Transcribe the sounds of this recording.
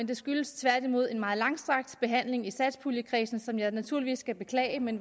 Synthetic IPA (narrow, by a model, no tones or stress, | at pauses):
end̥e̝sɡ̥yləst͡sʰʋæɐ̰d̥imo̝ð̞ˠe̝nmɑ̈ːð̩ˠlɑ̈ŋsd̥ʁɑ̈ɡ̥̚d̥b̥e̝ɦæn̰le̝ŋisæd̥spʰuljəkʰʁḭːsn̩sɒ̽mjɑ̈ɪnæt͡sʰuɐliʋḭːsɡ̥æb̥e̝kʰlɛ̰ːɪəmen